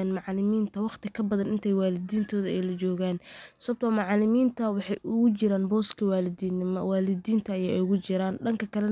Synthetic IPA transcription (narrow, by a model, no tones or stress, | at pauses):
nmɑʕlɪmiːnt̪ʰɐwɑχt̪ʰɪkʰɐbɐðɐnɪnt̪ʰɛjwaːlɪd̪iːnt̪ʰɔːðɐɛjlɐt͡ʃɔːɣaːnsɔb̚t̪ʰɔːmɑʕlɪmiːnt̪ʰɐwɑħɑjʔʊɣʊt͡ʃɪɾaːnbɔːskʰɐwaːlɪd̪iːnɪmɔ̰waːlɪdiːnt̪ʰɐːjaːʊɣʊt͡ʃɪɾaːnɖɐŋkʰɐkʰɐlɛ